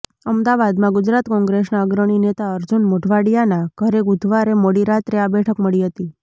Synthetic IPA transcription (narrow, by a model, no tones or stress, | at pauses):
əmd̪aʋad̪mãɡʊd͡ʒɾat̪kɔ̃ŋɡɾesnaəɡɾəɽ̃inet̪aəɾd͡ʒunmoʈʰʋaɽijanaɡ̥ʱəɾeɡʊd̪ʱʋaɾemoɽiɾat̪ɾeabɛʈʰəkməɭiɦət̪i